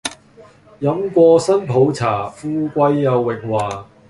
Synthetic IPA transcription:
jɐ˨˥mkʷɔː˧sɐ˥npʰo˨˥wt͡sʰaː˨˩fuː˥kʷɐ˧jːɐ˨˧wːɪ˨k̚waː˨˩

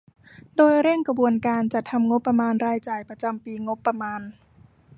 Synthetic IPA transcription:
doː˧jɾe˥˩ŋka˧buː˧ənkaː˧nt͡ɕa˨˩t̪ʰːa˧mŋo˦˥pːa˧maː˧nɾaː˧jt͡ɕaː˧˩jpɾa˧t͡ɕa˧mpiː˧ŋo˦˥pːa˧maː˧n

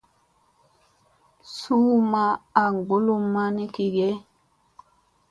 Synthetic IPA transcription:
suː˦ma˦a˨ŋɡo˦lu˦˨mːa˦ni˦ki˨ɡɛ˦

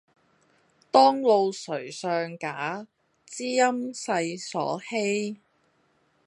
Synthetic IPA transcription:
t̪ɔː˥ŋlo˨˧wsɵ˨˩ɥsœː˧ŋkaː˨˥ | t͡siː˥jɐ˥msɐ˧jsɔ̰ː˨˥he˥j

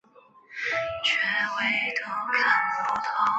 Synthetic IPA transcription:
t͡ɕʰɥɛ˧˥nwe˥˩ɪt̪ʰo˧˥ʊkʰa˥˩nu˧˥t̪ʰɑ˧˥˦

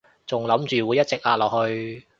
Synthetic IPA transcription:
t͡sʊ˨ŋlɐ˨˥mt͡ʃyː˨wuː˨˧jɐ˥t̚t͡sɪ˨k̚laː˧˥lɔː˨k̚hɵ˧ɥ

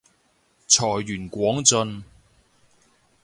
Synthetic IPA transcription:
t͡sʰɔː˨˩jːyː˨˩nkʷɔː˨˥ŋt͡sɵ˧n

